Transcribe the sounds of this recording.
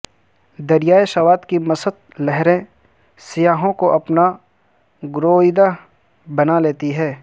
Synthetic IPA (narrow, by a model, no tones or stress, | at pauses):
d̪ɐɾɪjaːjeʃɐʋaːd̪kimɐsəd̪̚lɛɦɾẽ | sɪjaːɦõkoʔɐpna | ɡɾoːɪd̪a | bɐnaleːt̪iɦɛː